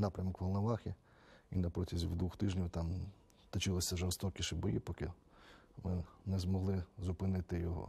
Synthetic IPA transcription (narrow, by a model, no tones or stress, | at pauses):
nɑpɾʲɐmɔkʋɐlˠnɐʋɑxʲi | inɐpɾɔtʲizʲiwd̪ʋuxt̪ɪʒnʲiwt̪ɑm | t̪ɔt͡ʃɪlˠɪsʲɐʒɔrst̪ɔkʲɪʃɪbɔjḭpɔkɪ | mɪnɛzmɔɦlˠɪzʊpɪnɪt̪ɪjɔɦɔ̰